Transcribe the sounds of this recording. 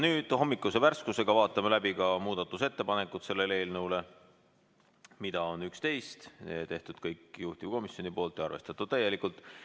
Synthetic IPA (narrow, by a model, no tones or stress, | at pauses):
nyːd̪̥ho̞mːikːˑuse̞værskuse̞ɡ̥ɑvɑːt̪ːˑɑmelæbikɑmuːd̪̥ɑt̪ːˑuse̞t̪ːe̞pɑne̞kːut̪se̞lːe̞le̞ːlnəuwle̞ | mid̪̥ɑo̞nykst̪e̞jst̪ḛt̪e̞ht̪ud̪̥kɤjkˑːjuht̪ivko̞misjo̞nipo̞ːlt̪ːˑjɑɑ̰rve̞st̪ɑt̪ːˑud̪̥̚t̪æje̞likult̪ːˑ